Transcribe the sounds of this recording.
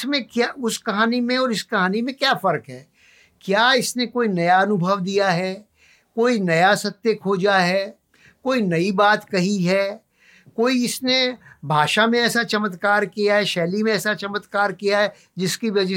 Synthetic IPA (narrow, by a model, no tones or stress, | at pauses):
smẽkjaːʊskɐɦaːnimẽɔːɾɪskɐɦaːnimẽkjaːfɐɾkɦɛː | kjaːɪsnekoːinɐjaɐnʊbʱəʋd̪ijaɦɛː | koːinɐjasɐt̪ːjəkʰoːd͡ʒaɦɛː | koːinɐibaːt̪kɐɦiɦɛː | koːiɪsnebʱaːʃamẽɛːsat͡ʃɐmət̪kaːɾkijaɦɛʃɛːlimẽɛːsat͡ʃɐmət̪kaːɾkijaɦɛ | d͡ʒɪskiʋɐd͡ʒ